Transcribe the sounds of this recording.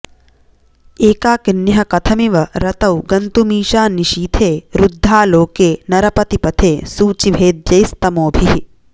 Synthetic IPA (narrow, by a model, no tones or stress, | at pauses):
eːkaːkinːjɦɐkɐt̪ʰɐmiʋɐɾɐt̪ɐwɡɐnt̪umiːʃaːniʃiːt̪ʰeːɾud̪ʱːaːloːkeːnɐɾɐpɐt̪ipɐt̪ʰeːsuːt͡ʃiʋʱeːd̪jɐjst̪ɐmoːbʱiɦi